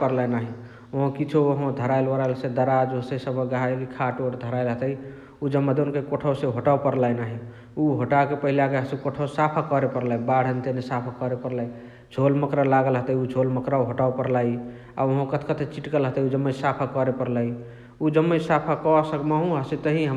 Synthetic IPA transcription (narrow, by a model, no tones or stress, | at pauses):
pəɾlajnaɦi | oɦõkit͡ʃʰuoɦõd̪ʱəɾajlwəɾajlsed̪əɾad͡ʒosesəbəɡajkikʰaʈoʈd̪ʱəɾaɪlɦət̪əj | ud͡ʒəmːəd̪onkekoʈʰəwseɦoʈawpəɾlajnaɦi | uɦoʈakepəɦilakeɦəsekoʈʰəwsapʰakɔɾepəɾlabaɽ̤ənt̪enesapʰakɔɾepəɾlaj | d͡ʒʱolməkɾalaɡəlɦət̪əiud͡ʒʱolməkɾauɦoʈawpəɾlaj | a̰oɦõkət̪ʰkət̪ʰet͡ʃiʈkəlɦət̪əjud͡ʒəmːəsapʰakɔɾepəɾlaj | ud͡ʒəmːəsapʰakɔsəkmaɦũɦəset̪əɦĩɦə